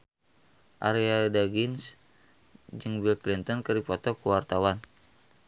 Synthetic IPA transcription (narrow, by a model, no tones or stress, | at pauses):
ʔa̰ɾiadaɡins | d͡ʒɨŋbilklint̪ɔnkɨrdipɔt̪ɔkuwart̪awan